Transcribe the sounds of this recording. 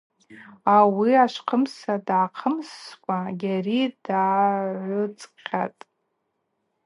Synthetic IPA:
awiaʂʷqʰəmsadaːqʰəmskʷʼaɡʲarid̥aːʕʷʊt͡sʼqʲatʼ

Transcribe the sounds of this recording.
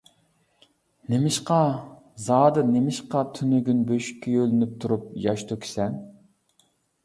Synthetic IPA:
nemɪʃqɑ | zɑːd̪ɨnemɪʃqɑt̪ʰynyɡʲynbøʃkʲʰːɛølɪnyp̚t̪ʰuɾup̚jɑʃt̪ʰukʲʰi̥sɛn

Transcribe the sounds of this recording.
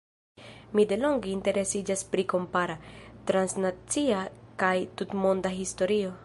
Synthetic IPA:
mide̞lo̞ŋɡeinte̞ɾesid͡ʒaspɾiko̞mpaɾat̪ɾansnat͡siakajtutmo̞ndaɦisto̞ɾio̞

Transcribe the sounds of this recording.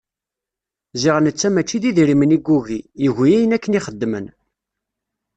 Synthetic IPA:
ziʁənət͡sːæmæt͡ʃːiðiðɾiməniɡuɣijəʝijæjənækːəniχəd̪ːmə̰n

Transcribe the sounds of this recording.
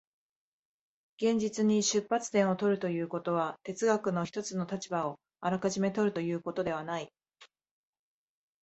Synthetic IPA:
ɡ̥ẽ̞ɲ̟d͡ʑit͡sɨɲ̟iɕɨpːat͡sɨ̥t̪ẽɰ̃o̞t̪o̞ɾɯ̟t̪o̞jɯ̟ːko̞t̪o̞βat̪e̞t͡sɨɡakɯ̟no̞çi̥t̪o̞t͡sɨno̞t̪at͡ɕibao̞ | aɾakaʑime̞t̪o̞ɾɯ̟t̪o̞jɯ̟ːko̞t̪o̞d̪e̞β̞anai

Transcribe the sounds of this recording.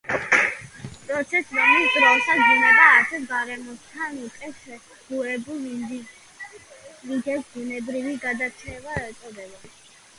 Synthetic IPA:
pʼɾɔt̪sʰɛsɾɔmisd̪ɾɔsaɡinaɾaːsɛɡaɾɛmɔst̪ʰanukʼɛsɛ | ɡ̥uɛbulˠid̪ | viɡ̪ɛtɡunɛbɾiviɡad̪at͡ʃʰɛvaɛɾt̪sʼɔd̪ɛbɔi

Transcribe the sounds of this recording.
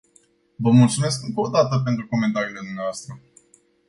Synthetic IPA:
vəmult̪sume̞skɨŋko̞ːd̪at̪əp̬e̞nt̪ɾuko̞me̞nt̪aɾiːle̞d̪umneavoast̪ɾə

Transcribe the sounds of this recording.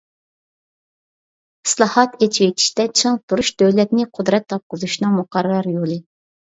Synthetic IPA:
i̥slˠɑhɑt̪et͡ʃʰiwet͡ʃ̪ʲʰi̥ʃt̪ɛt͡ʃʰɨŋt̪ʰuɾuʃd̪øwlɛt̪nɪqʰʊd̪ɾɛt̪ːɑp̚qʊzuʃnɨŋmʊqɑɾɨlˠɑɾjolˠɨ

